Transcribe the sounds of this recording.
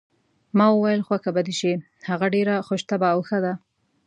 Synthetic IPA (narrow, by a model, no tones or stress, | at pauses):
mɑwəwajəlxwakabad̪iʃe | haɣaɖeɾaxoʃt̪abaːwxəd̪a